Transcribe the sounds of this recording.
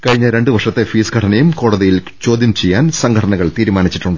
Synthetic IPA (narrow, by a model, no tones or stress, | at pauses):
kɐɻiɲːɐɾe̞ɳɖɨʋɐrʂɐt̪ːe̞fiːskʰɐʈʰɐnɐjumko̞ːɽɐðijilt͡ɕo̞ːd̪jɐmt͡ɕejːaːnsɐŋɡʰʱɐʈʰɐnɐɣɐɭt̪iːɾumaːnit͡ɕːiʈːuɳɖɨ